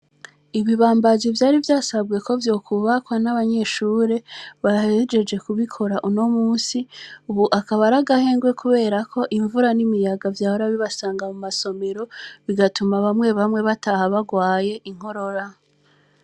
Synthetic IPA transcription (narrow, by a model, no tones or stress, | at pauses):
iβiβaːmbazivjaːɾivjaːsabɡe̞ko̞vjo̞ːkʰuβakwanaβaɲe̞ʃuːɾe̞βahed͡ʒe̞d͡ʒe̞kuβikʰo̞ɾaʔuno̞muːsiuβuʔakaβaɾaɡahe̞ːŋɡwe̞kʰuβe̞ːɾakʰo̞ʔiɱvuɾanimijaɡavjaːhoɾaβiβasaːŋɡamumaso̞me̞ɾo̞βiɡatumaβamŋe̞βamŋe̞βatahaβaɡwaːje̞ʔiŋ̥ho̞ɾo̞ɾa